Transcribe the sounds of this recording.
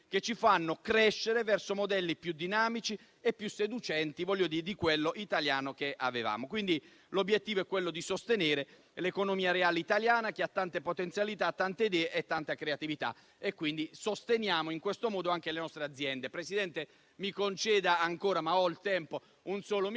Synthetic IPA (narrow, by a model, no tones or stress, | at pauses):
ket͡ʃːifanːokɾɛʃːeɾevɛrsomod̪ɛlːipjud̪ːinaːmit͡ʃi | epːjusːed̪ut͡ʃɛnt̪ivɔlʎːod̪iːed̪ikwelːoʔit̪aljaːnok̟eʔa̰veva̰ːmokwind̪i | lobːjet̪ːiːvoɛkːwelːod̪isost̪eneːɾe | lekonomiːaɾeaːleit̪aljaːnak̟iat̪ːant̪epot̪ent̪sjalit̪at̪ːant̪ed̪ɛʔet̪ːant̪akɾeat̪ivit̪a̰ | ekːwind̪isost̪enjaːmoiŋkwest̪omɔːd̪oaŋk̟elenɔst̪ɾead̪zːjɛnd̪epɾesid̪ɛnt̪e | mikont͡ʃɛːd̪aːŋkoːɾamaɔilt̪ɛmpo | unsɔːlo